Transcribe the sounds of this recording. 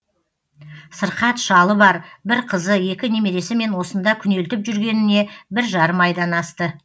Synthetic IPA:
səɾqɑt̪ʃɑlˠəbɑɾbɪɾqʰəzəje̞kʲɪnemeɾe̞sɪme̞nwo̞sənd̪ɑkʲʰʏne̞lt̪ɪpʒʏɾɡʲe̞nɪne̞bɪɾʒɑɾəmɑjd̪ɑnɑst̪ə

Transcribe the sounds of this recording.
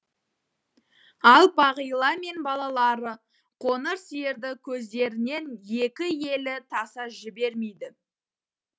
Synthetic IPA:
ɑlˠbɑʁəjlˠɑme̞nbɑlˠɑlˠɑɾə | qʰonəɾsije̞ɾd̪ɪkʲʰɵzd̪e̞ɾɪne̞nje̞kʲɪje̞lɪt̪ʰɑsɑʒɪbe̞ɾmejd̪ɪ

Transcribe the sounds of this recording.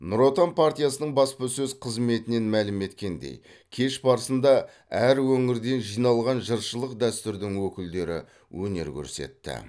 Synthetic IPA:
nʊɾo̞t̪anpʰaɾt̪ijasənəɴbɑspəsɵzqʰəzme̞t̪ɪne̞nmælɪme̞t̪kʲe̞nd̪e̞̰j | kʲʰe̞ʃbɑɾəsənd̪ɑ | æɾwɵŋɪɾd̪e̞nʒijnɑlˠʁɑnʒəɾʃəlˠəqd̪æst̪ɪɾd̪ɪŋwɵkʲɪld̪e̞ɾɪ | wɵne̞̰ɾkʲʰɵ̰ɾse̞̰t̪ːɪ̰

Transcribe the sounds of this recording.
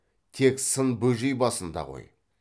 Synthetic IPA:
t̪ʰe̞ksənbɵʒijbɑsənd̪ɑ̰ʁo̞̰j

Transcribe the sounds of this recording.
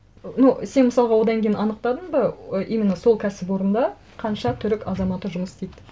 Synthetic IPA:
nuse̞nməsɑlˠʁɑwo̞d̪ɑŋkʲʰejɪnɑnəqt̪ɑd̪əɴbəəʔejmɪnɑso̞lˠkʲʰæsɪpwo̞ɾənd̪ɑ | qʰɑnʃɑt̪ʰʏɾɪkɑzɑmɑt̪ːəʒʊməst̪ejt̪

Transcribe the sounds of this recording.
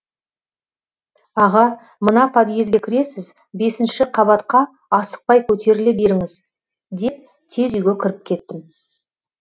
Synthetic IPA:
ɑʁɑ | mənɑpʰɑd̪ije̞zɡʲe̞kʲʰɪɾe̞sɪz | be̞sɪnʃɪqʰɑbɑt̪qɑ | ɑsə̥q̚pɑjkʰʲɵt̪e̞ɾɪlebe̞ɾɪŋɪz | d̪e̞p̚ | t̪ʰe̞zʏjɡʲekʲʰɪɾɪp̚kʲʰe̞t̪ːɪm

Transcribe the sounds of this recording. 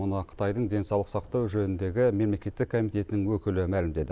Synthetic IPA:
ʊnɑqʰə̥t̪ɑjd̪əɴd̪e̞nsɑwlˠəqsɑqt̪ɑwʒønɪnd̪e̞ɡʲɪme̞mle̞kʲe̞t̪ːɪkkʰo̞mijt̪e̞t̪ɪnɪŋwɵkʲɪlɪmælɪmd̪e̞d̪ɪ

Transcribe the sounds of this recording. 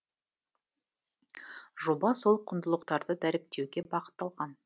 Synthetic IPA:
ʒobɑso̞lˠqʰʊnd̪əlˠəqt̪ɑɾd̪əd̪æɾɪp̚t̪e̞wɡʲe̞bɑqə̥t̪ːɑlˠʁɑn

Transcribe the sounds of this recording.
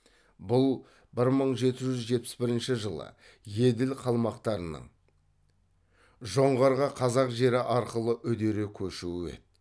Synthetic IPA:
bʊlˠ | bɪɾməɴʒe̞t̪ɪʒʏzʒe̞t̪̚pɪ̥sbɪɾɪnʃɪʒəlˠə̰ | je̞d̪ɪlqʰɑlˠmɑqt̪ɑɾənə̰ɴ | ʒo̞ɴʁɑɾʁɑqʰɑzɑqʒe̞ɾɪʔɑɾqəlˠəʔʏd̪e̞ɾekʲʰɵʃuɪwḛt̪̚

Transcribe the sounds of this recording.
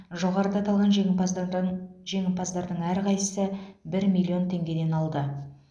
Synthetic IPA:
ʒo̞ʁɑɾəd̪ɑt̪ɑlˠʁɑnʒ | ʒe̞ŋɪnpɑzd̪ɑɾd̪əɴæɾqɑjsəsəbɪɾmijlʲːˠio̞nt̪ʰe̞ŋɡʲe̞d̪e̞nɑlˠd̪ə

